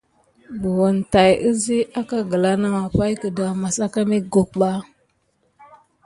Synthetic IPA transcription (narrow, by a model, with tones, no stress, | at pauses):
bu˨wu˨nta˨jə˦zi˦a˦ka˦ɡə˨la˦na˦ma˨pa˦jkə˨da˨ma˨sa˦ka˦mi˦ɡo˨k̚ɓa˦